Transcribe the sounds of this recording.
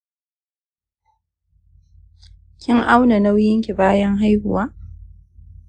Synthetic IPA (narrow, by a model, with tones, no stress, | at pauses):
kʲɪ˦ŋʔa˦wna˨na˦wjɪ˦ŋkʲi˨baː˦jɐ˦ŋɦa˦jhʊ˨waː˦ʔ